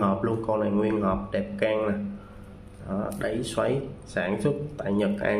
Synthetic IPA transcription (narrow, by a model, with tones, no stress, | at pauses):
hɔ˨˩p̚lu˧ənkɔ˧nlaː˨˩ŋwi˧ənhɔː˨˩p̚ɗɛ˨˩p̚kaː˧ŋna˨˩ | ʔɔ˨˩˦ɗə˨˦jswa˧˨˦jsaː˧˩nsʊ˦˥t̚t̪a̰ː˧˨jɲə˨˩k̚ʔaː˧